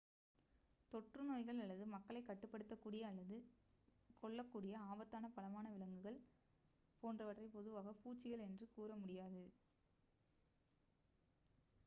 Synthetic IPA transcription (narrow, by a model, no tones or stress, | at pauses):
t̪ɔʈrɯnoːjɣɐɭɐɭːɐðɯmɐkːɐɭɐɪkɐʈːɯpːɐɽɯt̪ːɐkːuːɽɪjɐːɭːɐðɯ | kɔɭːɐkːuːɽɪjɐaːbɐt̪ːaːnɐpɐlɐmaːnɐʋɪlɐŋɡɯɣɐɭ | poːndrɐʋɐʈrɐɪpɔðɯʋaːɣɐpuːt͡ʃːɪɣɐɭɛndrɯkuːrɐmʊɽɪjaːðɯ